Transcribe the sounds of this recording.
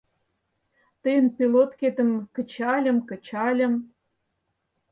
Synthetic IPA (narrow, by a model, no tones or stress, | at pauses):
t̪əjənpʲilot̪ket̪ə̆mkə̆t͡ɕɑlʲə̆mkə̆t͡ɕɑlʲə̆m